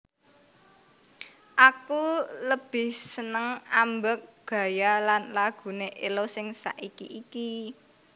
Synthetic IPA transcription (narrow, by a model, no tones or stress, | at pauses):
ʔakuləb̥ɪhsənəŋambək̚ɡ̥ä̤jalanlaɡ̥ṳneʔelosɪŋsa̰ʔikḭʔiki